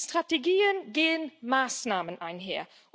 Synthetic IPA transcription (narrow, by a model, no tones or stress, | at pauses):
stʁ̥ateɡiːənɡeːənmaːsnaːmənʔaɪnɦeːɐ | ʔ